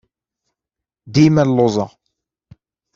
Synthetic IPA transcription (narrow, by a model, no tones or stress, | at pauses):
d̪imællːozˤɑ